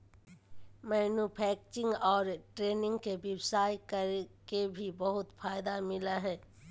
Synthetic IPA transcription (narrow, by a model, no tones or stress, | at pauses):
mɛːnupʰɛːk̚t͡ʃɪ̃ŋɡɔːɾʈɾeːnɪ̃ŋɡkeʋɛwsaːjkɐɾkebʱibɐɦʊt̪fʰaːjd̪amɪlaɦɛː